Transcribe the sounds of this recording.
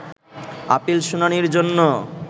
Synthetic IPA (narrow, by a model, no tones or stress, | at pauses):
a̰pilʃunaniɾd͡ʑonːo